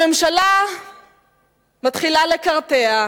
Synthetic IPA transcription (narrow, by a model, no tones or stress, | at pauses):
emʃala | mat̪χilale̞kaʁtea